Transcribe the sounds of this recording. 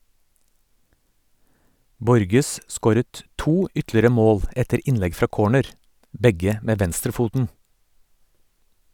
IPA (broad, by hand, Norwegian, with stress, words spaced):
ˈbɔɾɡəs ˈskoːɾət ˈtuː ˈʏtlɪɾə ˈmoːl ˈɛtəɾ ˈɪnlɛɡ ˈfɾɑː ˈkoːɳəɾ ˈbɛɡə ˈmeː ˈʋɛnstɾəˌfuːtn̩